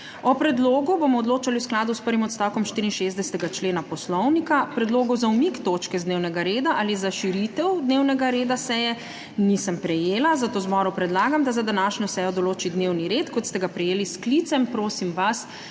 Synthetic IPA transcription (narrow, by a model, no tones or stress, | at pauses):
ɔpɾɛd̪loːɡubomɔɔd̪loːt͡ʃaliwsklaːd̪uspəɾʋimɔt̪st̪awkɔmʃt̪iɾinʃezd̪ɛsɛ̥t̪ɛɡat͡ʃleːnapɔslɔwnikapɾɛd̪loːɡɔwzaumikt̪oːt͡ʃkɛzd̪neːwnɛɡaɾeːd̪aʔalizaʃiɾit̪ɛwd̪newnɛɡaɾeːd̪asɛjɛ | nisəmpɾɛjeːlazat̪oːzbɔɾupɾɛd̪laːɡamd̪azad̪anaːʃɲɔsɛjɔd̪ɔloːt͡ʃid̪newniɾeːt̪kɔt̪st̪ɛɡapɾɛjeːlisklit̪sɛmpɾoːsimʋas